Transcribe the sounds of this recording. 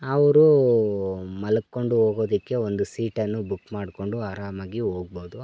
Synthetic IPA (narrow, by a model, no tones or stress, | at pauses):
ɐʋɐɾu | mɐlɐkːo̞ɳɖuɦoːɡo̞ːd̪ikːe̞o̞nd̪usiːʈɐnːubukːmaːɽko̞ɳɖuaːɾaːmaːɡio̞ːɡ̚boːd̪u